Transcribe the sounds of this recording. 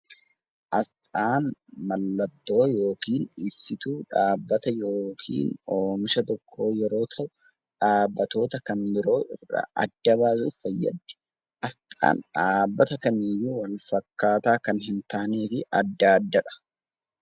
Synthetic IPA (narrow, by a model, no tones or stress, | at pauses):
ʔɐst̪ʼaːnmɐlːɐt̪ːo̞ːjo̞ːkiːnᶑɪbsɪt̪uːᶑaːbːɐt̪ɐjo̞ːkʰḭːnoːmɪʃɐt̪ɔkʰːo̞ːjɛɾo̞ːt̪ʰɐʔʊ | ᶑaːbːɐt̪o̞ːt̪ɐkɐnbɪɾo̞ːʔɪ̰rːɐ̰ʔɐ̰d̪ːɐbaːsufɐjːɐ̰d̪ːɛ̥ | ʔɐst̪ʼa̰ːnᶑaːbːɐt̪ɐkɐnɪjːuwɐlfɐkːaːt̪aːkɐnɦɪnt̪aːneːfɪɐd̪ːaːd̪ːɐᶑɐ̥